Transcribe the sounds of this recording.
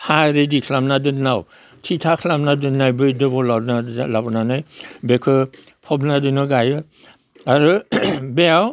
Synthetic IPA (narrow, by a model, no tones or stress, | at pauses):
haɾedikʰlamnadɯnːaw | tʰitʰakʰlamnadɯnːajbɯjdɯbɔlanalabɔnanajbekʰɯ | pʰɔbnadɯnɯɡajɯ | aɾɯbeaw